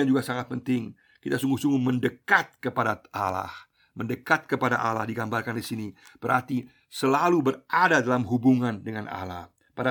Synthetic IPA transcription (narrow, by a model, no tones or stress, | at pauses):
and͡ʒuɡasaŋat̪̚pənt̪ɪŋ | kit̪asuŋɡusuŋɡuməndəkat̪̚kəpadaʔala̰h | məndəkat̪̚kəpada̰ʔala̰hdiɡambalkandisinib̥əɾa̰rt̪i | səlalubəradadalamɦubuŋandəŋana̰la̰h | pada